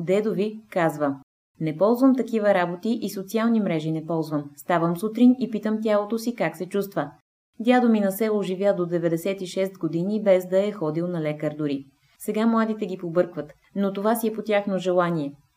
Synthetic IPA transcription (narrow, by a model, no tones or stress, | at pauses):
d̪ɛd̪ovikazvə | nɛpɔlˠzvəmt̪ɐkivəɾabot̪iʔisot̪sialˠnimɾɛʒinɛpɔlˠzvəmst̪avəmsut̪ɾinipit̪əmt̪ʲjalˠot̪osikaksɛt͡ʃust̪və | d̪ʲjad̪ominɐsɛlˠoʒivʲjad̪od̪ɛvɛd̪ɛsɛt̪iʃɛst̪ɡod̪inibɛzd̪ɐɛxɔd̪ilˠnɐlɛkəɾd̪ʊɾi | sɛɡamlˠad̪it̪ɛɡʲipobɤɾkvət̪ | not̪ovasiɛpot̪ʲjaxnoʒɛlˠaniɛ